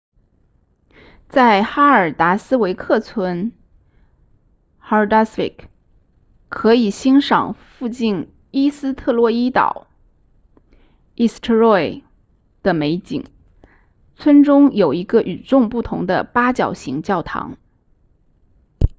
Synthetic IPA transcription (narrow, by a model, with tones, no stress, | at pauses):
t͡sa˥˩ɪxa˥ə˞˨˩t̪a˧˥sɹ̩˥we˧˥ɪkʰɤ˥˩t͡sʰwə˥n | xa˧˥˩d̪a˥sfḭ˥˩k | kʰɤ˧˥i˨˩ɕi˥nʂɑ̰˨˩ŋfu˥˧t͡ɕi˥˩n | i˥sɹ̩˥t̪ʰɤ˥˧lwɔ˥˧i˥t̪ɑ̰˨˩˦ʊ | i˥˩st̪ʰə˥ɹɔ˥˩ɪ | d̪̥ə˨me˧˥ɪt͡ɕḭ˨˩˦ŋ | t͡sʰwə˥nʈ͡ʂʊ˥ŋjo˨˩ʊi˧˥ɡə˧ʔy˨˩ʈ͡ʂʊ˥˧ŋpu˥˩t̪ʰʊ̰˧˥ŋd̪ə̰˧pa˥t͡ɕjɑ˨˩ʊɕi˧˥ŋt͡ɕjɑ˥˩ʊt̪ʰɑ̰˧˥ŋ